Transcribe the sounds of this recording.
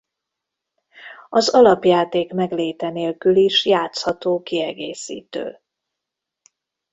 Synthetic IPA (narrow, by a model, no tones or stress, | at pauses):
ɒzɒlɒpjaːt̪eːkmɛɡleːt̪ɛneːlkyliʃjaːt̪shɒt̪oːkiɛɡeːsḭːt̪ø̰ː